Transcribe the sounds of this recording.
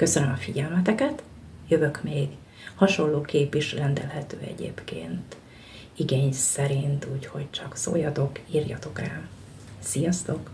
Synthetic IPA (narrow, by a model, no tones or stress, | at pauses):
kø̞sønømɒfiɟɛlmɛt̪ɛkɛt̪ | jøvø̞kmeːɡ | hɒʃo̞lːoːkeːpiʃrɛnd̪ɛ̰lɦɛt̪øːɛ̰ɟḛːpkḛːnt̪ | iɡeːɲsɛɾint̪uːcho̞ct͡ʃɒkso̰ːjɒt̪o̞kiːrjɒ̰t̪o̞kra̰ː | sijɒst̪o̞k